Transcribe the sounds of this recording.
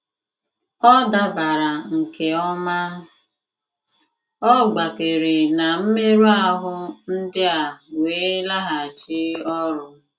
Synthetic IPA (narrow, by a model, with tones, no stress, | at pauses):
ɔ˦da˦ba˨ɾa˨ŋ̩˨ke˨ɔ˦ma˦ | ɔ˦ɡ͡ba˨ke˨ɾe˨na˨m̩˦me˦ɾu˦a˦ɦʊ˦n̩˦dɪ˦a˨weː˨˦la˦ɦa˨t͡ʃɪ˦ɔ˦ɾʊ˦